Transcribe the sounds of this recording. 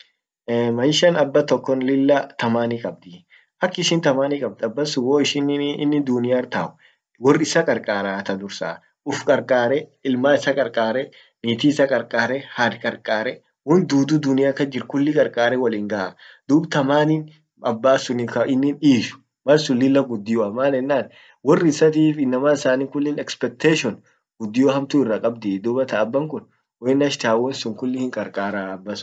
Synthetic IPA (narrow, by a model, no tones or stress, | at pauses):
mɐjʃɐnɐbːɐt̪ɔkːɔnlɪlːɐt̪ɐmaːnikʼɐb̚d̪i | ʔɐkːɪʃɪnt̪ɐmaːniːkʼɐb̚d̪ɐbːɐsʊwoːɪʃɪn̰nːɪd̪ʊnɪjaɾt̪a̰ːʔʊ̥ | wɔrɪsɐkʼɐɾkʼaːɾat̪ɐd̪ʊɾsa̰ | ʔʊfkʼɐɾkʼaːɾɛɪlmaːɪsɐkʼɐɾkʼaːɾɛ | niːt̪iɪsɐkʼɐɾkʼaːɾɛhaːd̪kʼɐɾkʼaːɾɛ | wɔnd̪uːd̪ud̪ʊnɪjakːɐd͡ʒɪɾkʊlːɪkʼɐɾkʼaːɾɛwɐliːŋɡɐʔad̪̥uːbt̪ɐmaːnin | ɐbːaːsʊnɪkɐɪnːɪniːʃʊ̥ | mɐlsʊlːɪlːɐɡʊd̪ːɪjɔɐmaːlɛnːaːn | wɔrːɪsɐt̪̬iːfɪnːɐmaːɪsaːniːkʊlːɪnɛkspɛk̚t̪eːʃɔn | ɡ̥ʊd̪ːɪjɔhɐmt̪ʊɪrːakʼɐbd̪ɪd̪uːbɐt̪ɐːbːɐŋkʊn | wɔɪnɐʃt̪aːwɔnsʊŋkʊlːɪhɪŋkʼɐɾkʼaːɾaɐbːɐsʊ̥